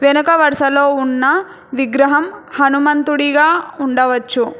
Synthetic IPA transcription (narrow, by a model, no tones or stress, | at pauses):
ʋɛnɐkɐʋɐɾʂɐlo̞ːunːɐ | ʋiɡɾɐɦɐmhɐnumɐnt̪uɽiɡaːuɳɖɐʋɐt͡ʃːu